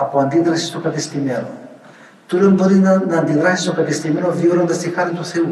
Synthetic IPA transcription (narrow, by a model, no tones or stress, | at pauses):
ɐpoɐnd̪iðɾɐsist̪okɐt̪ist̪imeno̰ | t̪ulonboɾinɐːnd̪iɣɾɐsist̪okɐt̪ist̪imenovioɾond̪ɐst̪ixɐɾt̪it̪uθeu